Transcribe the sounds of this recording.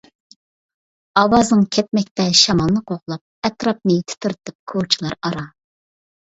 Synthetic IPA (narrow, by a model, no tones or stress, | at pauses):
ɑwɑznɨŋkʲʰɛt̪̚mɛk̚ʲt̪ɛʃɑmɑlˠnɨqʰoʁlˠɑp̚ɛt̪ɾɑp̚nɨt̪ʰɪ̥t̪ʰyɾt̪ʰɨp̚kʰot͡ʃʰilˠɑɾɑɾɑ